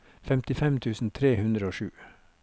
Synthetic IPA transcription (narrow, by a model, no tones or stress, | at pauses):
fɛmt̪ɪfɛmt̪ʰʉːsn̩t̪ʰɾeːhʉnd̪ɾəoːʃʉː